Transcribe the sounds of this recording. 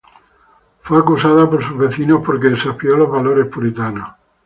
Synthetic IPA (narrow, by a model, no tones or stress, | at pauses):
fweakusaðapoɾsuzβeθinohpoɾkeesapioloɦβaloɾespuɾit̪ano